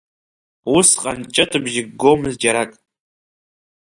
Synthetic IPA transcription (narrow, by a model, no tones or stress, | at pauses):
wʊsqʼa̰nt͡ʃʼatʰʼɨbʒɪɡɡomɨzd͡ʒaɾakʼ